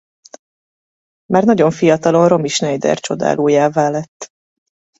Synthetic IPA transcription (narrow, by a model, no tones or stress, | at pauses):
maːrnɒɟo̞ɱfijɒt̪ɒlo̞nro̞miʃnɛjd̪ɛ̰rt͡ʃo̞d̪a̰ːlʔoːjaːvaːlɛt̪ː